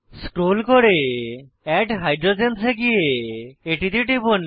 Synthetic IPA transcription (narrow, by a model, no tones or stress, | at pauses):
sʈolkoɽe | ɛʈɦajɖɾod͡ʒenseɡijeeʈit̪iʈibon